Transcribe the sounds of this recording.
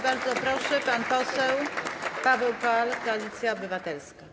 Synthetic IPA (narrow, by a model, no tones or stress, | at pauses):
baɾd̪zɔpɾɔʂɛpanpɔsɛwpavɛwkaalkɔalʲit̪sʲjaɔbɘvat̪ɛlska